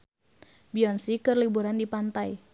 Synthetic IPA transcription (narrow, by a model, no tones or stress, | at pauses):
biɔnsikərlibuɾandipant̪aj